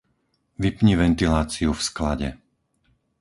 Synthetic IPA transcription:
ʋipɲiʋɛnt̪ilaːt͡siufsklaɟɛ̰

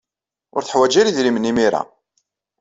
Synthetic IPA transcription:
ʊ̰ɾθəħwæd͡ʒiɾiðlimənimiɾa̰

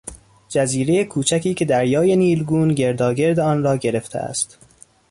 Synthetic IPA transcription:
d͡ʒæziːɾejekʰuːt͡ʃʰækʰiːcʰe̞d̪æɾjɒːjeniːlɡuːnɟe̞ɾd̪ɒːɡe̞ɾd̪eɒːnrɒːɟe̞ɾe̞ft̪ʰḛæ̰st̪

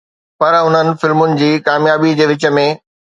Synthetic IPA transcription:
pɐɾɦʊn̤ənɪ̆fɪlmʊnɪ̆d͡ʑiːkaːmjaːbid͡ʑeːʋɪt͡ɕə̆mẽ

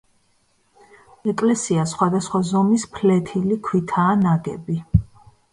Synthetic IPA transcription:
ɛkʼlɛsiasχwad̪asχwazɔmispʰlɛt̪ʰilikʰwit̪ʰaːnaɡɛbi

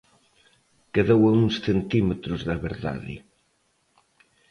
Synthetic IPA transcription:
keðewɐuŋsθent̪imet̪ɾʊzðɐβeɾða̰ðɪ̰

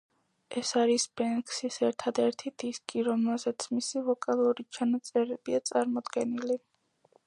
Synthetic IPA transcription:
ʔɛsaɾisbɛnkʰʼsisɛɾt̪ʰad̪ɛɾt̪ʰid̪̥iskʼiɾɔmɛlzɛt̪sʰmisivɔkʼalˠuɾit͡ʃʰanat̪sʼɛɾɛbiat̪sʼaɾmɔd̪ɡɛnili

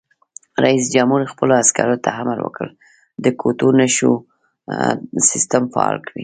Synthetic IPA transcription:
ɾaisd͡ʒamhuɾixpəloaskaɾot̪ʰaɦamaɾwə̰kəɽ | d̪əkʰot̪onaʃo̰ | sɪst̪amfaɑ̰lkʰawi

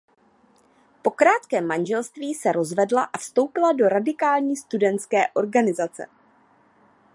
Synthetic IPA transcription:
po̞kɾaːt̪kɛːmːanʒɛlst̪viːsɛɾo̞zvɛdlaʔafst̪o̞wpɪlado̞ɾadɪkaːlɲiːst̪udɛnt̪skɛːʔo̞ɾɡanɪzat͡sɛ̰

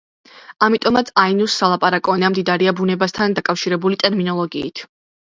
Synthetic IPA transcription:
amit̪ʼɔmat̪sʰainusːalˠapʼaɾakʼɔnamd̪id̪aɾiabunɛbast̪ʰand̪akʼafʃiɾɛbulit̪ʼɛɾminɔlˠɔɡiːt̪ʰ

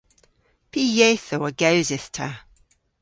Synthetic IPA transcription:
pʰijɛθoəɡəʊzɪθtʰə

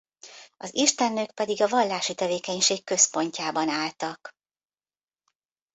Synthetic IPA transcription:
ɒziʃt̪ɛnːøːkpɛd̪iɡɒvɒlːaːʃit̪ɛveːkɛɲʃeːkːøspo̞ɲcaːbɒnaːlt̪ɒk

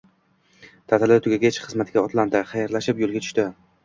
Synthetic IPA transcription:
t̪ʰat̪ɪlɪt̪ʰʊɡʲaɡʲet͡ʃχɨzmat̪ɪɡʲaɒt̪ʰland̪ɪχajaɾlaʃɪpjolˠɡʲat̪ʰʊ̥ʃt̪ɪ

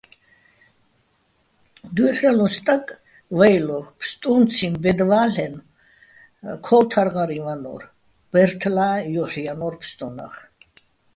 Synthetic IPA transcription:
d̪uħɾɛlust̪ʼakʼ | vajlɔpʰst̪ʼunt͡sʰimbɛd̪vaːɬɛn | kʰɔlt̪ʰaɾʁaɾivanɔ̰r | b̥ɛɾt̪ʰlaːjɔħjanɔɾpʰst̪ʼuna̰χ

